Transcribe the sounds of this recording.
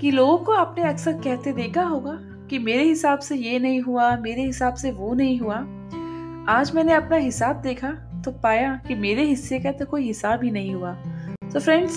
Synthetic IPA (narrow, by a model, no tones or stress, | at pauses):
kiloːɡõkoaːpneɐksəɾkɛɦt̪ed̪eːkʰaɦoːɡaː | kimeːɾeɦɪsaːbsejenɐɦĩɦuameːɾeɦɪsaːbseʋonɐɦĩɦuaː | aːd͡ʒmɛ̃ːneɐpnaɦɪsaːb̚d̪eːkʰa | t̪opaːjakimeːɾeɦɪsːekat̪okoːiɦɪsaːbʱinɐɦĩɦuaːt̪oːfɾɛ̃ɳɖz